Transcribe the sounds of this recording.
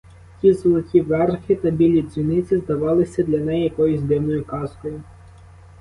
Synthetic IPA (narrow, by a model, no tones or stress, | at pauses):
tʲizɔlˠɔkʲiʋɛrxɪt̪ɐbʲilʲizʲʋʲinɪt͡sʲɪzd̪ɐʋɑlˠɪsʲɐd̪lʲɐnɛjjɐkɔjʊzʲd̪ɪwnɔjʊkɑskɔjʊ